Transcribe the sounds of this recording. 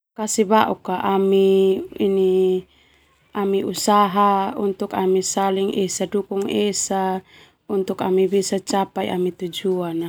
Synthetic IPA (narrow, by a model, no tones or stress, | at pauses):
kasibaʔukaʔamiini | amiʔusaɦaunt̪ukamisaliŋesadukuŋesa | unt̪ukamibisat͡ʃapaḭʔamit̪ud͡ʒuana